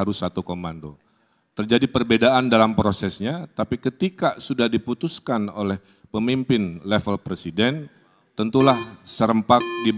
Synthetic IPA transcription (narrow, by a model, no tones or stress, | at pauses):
aɾʊsːat̪ukomando | t̪ərd͡ʒadipərbedaʔandalampɾosɛsɲat̪apikət̪ikasudahdiput̪uskanolɛh | pəmimpɪnlɛfəlpɾesidɛn | t̪ənt̪ulahsəɾəmpak̚dib